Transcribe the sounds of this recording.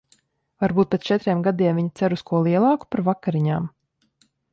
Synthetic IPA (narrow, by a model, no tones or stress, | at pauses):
vaɾbuːt̪̚pʲet̪st͡ʃɛt̪ɾʲiɛmɡad̪iɛmviɲit̪sæɾuskuɔlˠiɛlˠɑːku̥paɾvakaɾiɲaːm